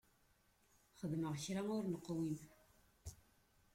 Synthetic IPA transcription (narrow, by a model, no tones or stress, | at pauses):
χəðməʁçɾamʊɾnəqːwim